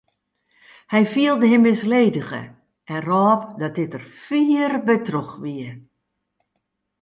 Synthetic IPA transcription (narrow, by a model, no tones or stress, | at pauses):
hɛjfiəlˠdəɦɪmɪsleːdəɣə̰ | ʔɛnrɔːp̚dɔt̚dɪtərfiːərbətrɔxʋiə